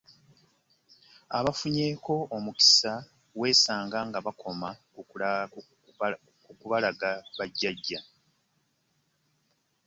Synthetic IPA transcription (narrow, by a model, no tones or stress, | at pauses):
a̰βafuɲe̞ːko̞omuki̥sa | we̞ːsaːŋɡaŋɡaβakʰo̞ma | kukuβalaɡaβaɟːaɟːa